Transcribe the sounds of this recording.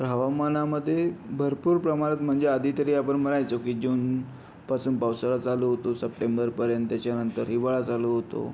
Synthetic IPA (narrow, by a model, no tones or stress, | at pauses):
ɾɦaʋamanaməd̪ʱːjebʱəɾpuːɾpɾəmaɾət̪m̤əɳd͡zeəd̪ʱit̪əɾiːapəɳməɾajt͡sokiːd͡ʑuːn | pasuːnpawsəɭat͡saloɦot̪osəp̚ʈembəɾpəɾjənt̪ːjat͡ɕjanənt̪əɾɦiʋaɭat͡saloɦot̪o̰